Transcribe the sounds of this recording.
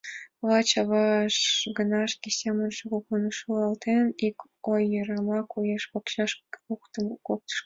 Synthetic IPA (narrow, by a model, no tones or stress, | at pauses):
lɑt͡ɕɑβɑʃɡənɑʃkʲesemənʃoɣokunəʃuɑlt̪enik | ojːɤɾɑmɑkujeʃpokɕɑʃukt̪əmkok̚t̪ə̥ʃ